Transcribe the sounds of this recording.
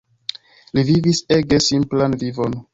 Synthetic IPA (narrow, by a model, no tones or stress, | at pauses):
liviviseɡesimplanvivo̞n